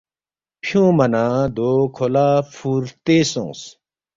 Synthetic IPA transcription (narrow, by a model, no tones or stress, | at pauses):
pʰjõːmɐnãd̪oːkʰolaːfʰuːɾt̪eːsõ̰ːs